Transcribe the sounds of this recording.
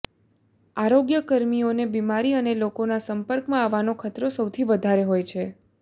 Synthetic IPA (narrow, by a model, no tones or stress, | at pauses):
aɾoɡjəkəɾmionebimaɾiənelokonasəmpəɾkmãaʋanokʰət̪ɾosəwt̪ʰiʋəd̪ʱaɾeɦojt͡ʃʰe